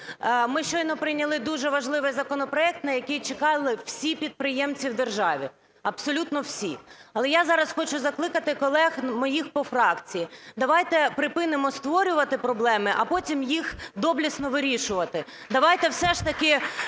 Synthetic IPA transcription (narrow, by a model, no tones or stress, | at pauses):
mɪʃt͡ʃɔjnɔpɾɪjnʲɐlˠɪd̪uʒɛʋɐʒlˠɪʋɪjzɐkɔnɔpɾɔɛk̚t̪nɐjɐkɪjt͡ʃɪkɑlˠɪw̥sʲipʲid̪̚pɾɪjɛmt͡sʲiwd̪erʒɑʋʲi | ɐpsɔlʲut̪nɔwsʲiɐlˠɛjazɑɾɐsxɔt͡ʃʊzɐklˠɪkɐt̪ɪkɔlˠɛxmɔjixpɔfɾɑkt͡sʲijid̪ɐʋɑjt̪ɛpɾɪpɪnɪmɔst̪ʋɔɾʲʊʋɐt̪ɪpɾɔblˠɛmɪʔɐpɔtʲimjixd̪ɔblʲisnɔʋɪɾʲiʃʊʋɐt̪ɪd̪ɐʋɑjt̪ɛwsɛʃt̪ɐkɪ